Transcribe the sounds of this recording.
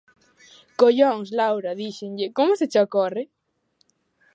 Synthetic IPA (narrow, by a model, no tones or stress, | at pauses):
koʎoŋslawɾaðiʃeŋʎɪkomʊset͡ʃokorɪ